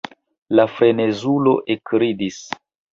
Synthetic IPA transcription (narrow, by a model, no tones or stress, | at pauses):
lafɾe̞ne̞zulo̞ʔekɾidis